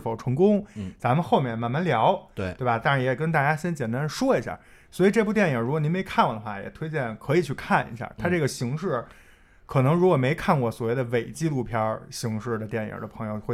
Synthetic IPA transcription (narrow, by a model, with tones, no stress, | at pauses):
fo˨˩ʊʈ͡ʂʰɤ˧˥ŋkʊ˥ŋt͡sa˧˥mə˨˧xo˥˧ʊmjɛ˥˩nma˧˩nma˧˥nljɑ˧˥ʊtt̪we˥˩ba˨˩t̪a˥ŋɻa˧˥njɛ˨˩kə˥nt̪̬a˥˩t͡ɕja˥ɕjɛ˥nt͡ɕjɛ˨˩nt̪a˥nʂwɔ˥i˧˥ɕja̰˥˩ | swɔ˧˥i˨˩ʈ͡ʂɤ˥˧pu˥˧t̪jɛ˥˩nji˨˩ɻu˧˥kwɔ˨˩ni˧˥me˧˥ɪkʰa˥˩nwɔ˨˩d̪ə˩xwa˥˩jɛ̰˨˩t̪ʰwe˥ɪt͡ɕjɛ˥˩nkʰɤ˧˥i˨˩t͡ɕʰy˥˧kʰa˥˩nḭ˧˥ɕja̰˥˩t̪ʰa˥ʈ͡ʂɤ˥˩ɡə˩ɕi˧˥ŋʂɻ̩˥˩ | kʰɤ˨˩nɤ˧˥ŋɻu˧˥kwɔ˨˩me˧˥ɪkʰa˥˩nwɔ˧˩swɔ˨˩we˥˩ɪd̪ə˩ʋe˨˩ɪt͡ɕi˥˧lu˥˩pʰjɑ˥ɕi˧˥ŋʂɻ̩˥˩d̪ə˩t̪jɛ˥˩njə̰˨˩d̪ə˦pʰɤ˧˥ŋjo˧ʊxwe˥˧˩